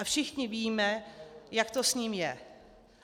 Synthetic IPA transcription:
afʃɪxɲɪviːmɛjakt̪osɲiːmjɛ

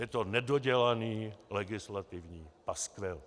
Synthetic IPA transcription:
jɛt̪onɛdoɟɛlaniːlɛɡɪslat̪ɪvɲiːpaskvɛl

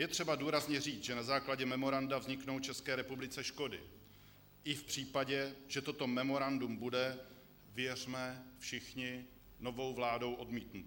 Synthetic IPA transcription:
jɛt̪r̥ɛbaduːɾazɲɛriːt͡sʒɛnazaːklaɟɛmɛmo̞ɾandavzɲɪkno̞wt͡ʃɛskɛːɾɛpublɪt͡sɛʃko̞dɪ̰ | ʔɪfpr̝̥iːpaɟɛʒ̥ɛt̪ot̪o̞mɛmo̞ɾandumbudɛ | vɪjɛr̝mɛfʃɪxɲɪ | no̞vo̞wvlaːdo̞wʔo̞dmiːt̪nut̪

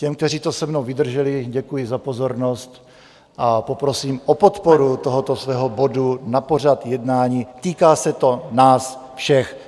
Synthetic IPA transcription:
cɛmkt̪ɛriːt̪o̞sɛmnowvɪd̪r̩ʒɛlɪɟɛkujɪzapo̞zo̞ɾnost̪ | ʔapo̞pɾosiːmʔopot̪po̞ɾut̪oɦot̪o̞svɛːɦobo̞dunapo̞r̝at̪jɛdnaːɲiːt̪iːkaːsɛt̪o̞naːs | fʃɛx

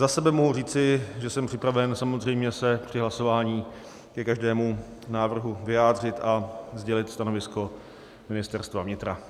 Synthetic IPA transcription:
zasɛbɛmoɦuriːt͡sɪʒɛsɛmpr̥ɪpɾavɛnsamozrɛjmɲɛsɛpr̝̥ɪɦlaso̞vaːɲiː | kɛkaʒdɛːmu | naːvr̩ɦuvɪjaːd̪r̝ɪt̪ʔazɟɛlɪt̪st̪ano̞vɪsko̞ | mɪnɪst̪ɛɾst̪vavɲɪt̪ɾa

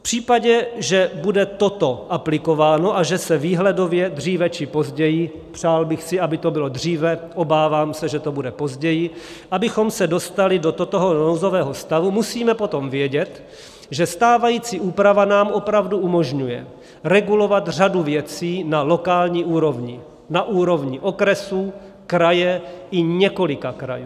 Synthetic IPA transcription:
pr̝̥iːpaɟɛʒɛbudɛt̪o̞t̪o̞ʔaplɪko̞vaːno̞ʔaʒɛsɛviːɦlɛdo̞vjɛd̪riːvɛt͡ʃɪpo̞zɟɛjɪ | pr̝̥aːlbɪxsɪabɪt̪o̞bɪlo̞d̪r̝iːvɛʔo̞baːvaːmsɛʒɛt̪o̞budɛpo̞zɟɛjɪ | ʔabɪxo̞msɛdo̞st̪alɪdot̪ot̪oɦonowzo̞vɛːɦo̞st̪avumusiːmɛpo̞t̪o̞mvjɛɟɛt̪ | ʒɛst̪aːvajiːt͡siːʔuːpɾavanaːmʔo̞pɾavduʔumo̞ʒɲujɛ̰ | ɾɛɡulo̞vat̪r̝aduvjɛt͡siːnalo̞kaːlɲiːʔuːɾo̞vɲɪ | naʔuːɾo̞vɲɪʔo̞kɾɛsuː | kɾajɛʔɪɲɛko̞lɪkakɾa̰juː

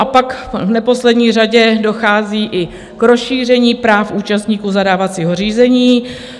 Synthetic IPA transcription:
ʔapakvnɛpo̞slɛdɲiːraɟɛdo̞xaːziːʔɪ | kɾosʃiːr̝ɛɲiːpɾaːfʔuːt͡ʃast̪ɲiːkuːzadaːvat͡siːɦor̝iːzɛɲiː

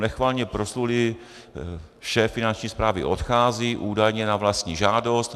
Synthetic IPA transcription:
nɛxvaːlɲɛpɾoslulɪ | ʃɛːfːɪnant͡ʃɲiːspɾaːvɪ̰ʔo̞t̪xaːziːʔuːdajɲɛnavlast̪ɲiːʒaːdo̞st̪

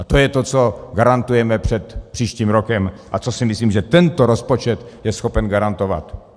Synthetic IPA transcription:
ʔat̪ojɛt̪o̞t͡so̞ɡaɾant̪ujɛmɛpr̝̥ɛt̪pr̝̥iːʃciːmɾokɛmʔat͡so̞sɪmɪsliːmʒɛt̪ɛnt̪oɾospot͡ʃɛt̪jɛsxo̞pɛnɡaɾant̪o̞va̰t̪

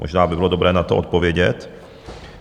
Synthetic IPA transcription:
mɔ̰ʒnaːbɪbɪlɔd̪ɔbɾɛːnat̪ɔʔɔt̪̚povjɛɟɛt̪

